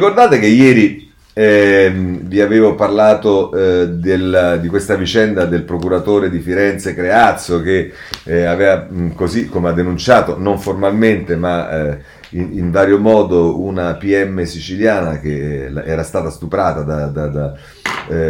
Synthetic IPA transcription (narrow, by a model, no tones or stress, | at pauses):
rikord̪aːt̪ek̟ejɛːɾi | viaveːvoparlaːt̪od̪eld̪ikwest̪avit͡ʃɛnd̪ad̪elpɾokuɾat̪oːɾed̪ifiɾɛnt̪sekɾeat̪soke | aveːvakozikːomead̪ːenunt͡ʃaːt̪onoɱformalment̪ema | iiɱvaːɾjomɔːd̪ounapiɛmːesit͡ʃiljaːnak̟eɛːɾast̪aːt̪ast̪upɾaːt̪ad̪ad̪ad̪a